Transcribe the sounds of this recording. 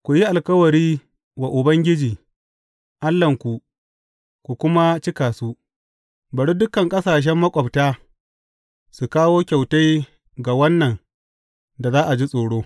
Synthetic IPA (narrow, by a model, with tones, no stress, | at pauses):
kʷu˨ji˦ʔa˨lkɐ˦wɐ˨ɾiː˦ | wa˨ʔʊ˨bɐ˦ŋɡʲɪ˦d͡ʒiː˨ | ʔa˦lːɐ˨ŋkʷu˨ | kʷu˨kʷʊ˦ma˦t͡ʃɪ˦kaː˨su˦ | bɐ˨ɽu˦dʊ˦kɐ˨ŋkʼɐ˦saː˨ʃ̬ɛ˦mːɐ˦kʷʼɐ˨btaː˦ | su˨kaː˦woː˦kʲa˨wta˦j | ɡa˨wɐ˦nːɐ˨ŋ | da˨zaː˦ʔa˨d͡ʒi˦sʼoː˨ɽoː˦